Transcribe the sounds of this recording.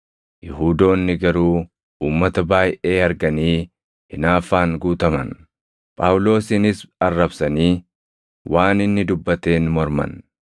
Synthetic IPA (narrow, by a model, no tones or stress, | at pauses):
jɪɦuːd̪o̞ːnːɪɡɐɾuː | uːmːɐt̪ɐbaːjʔe̞ːɐɾɡɐniː | hɪnaːfaːŋɡuːt̪ɐmɐ̰n | pʼaːwlo̞ːsɪnɪsɐrːɐbsɐniː | wʔaːnɪnːɪd̪ʊbːɐt̪e̞ːnmɔɾmɐ̰n